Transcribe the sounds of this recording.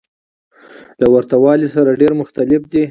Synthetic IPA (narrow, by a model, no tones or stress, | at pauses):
lawaɾt̪awɑlisaɾaɖeɾmʊxt̪alɪfd̪i